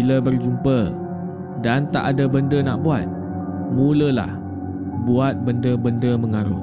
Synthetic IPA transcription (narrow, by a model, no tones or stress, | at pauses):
iləbərd͡ʒumpə | dant̪a̰ʔadabəndənaʔbuat̪̚ | mũləla̰h | buat̪̚bəndəbəndəməŋaɾʊ̰